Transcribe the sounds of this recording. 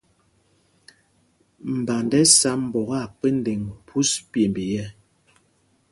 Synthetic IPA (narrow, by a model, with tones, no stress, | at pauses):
m̩˨ba˨ndɛ˦sa˦m̩˨bɔ˨ɣa˦˨pe˦n˦de˨ŋpʰu˦spje˨mbi˨jɛ˦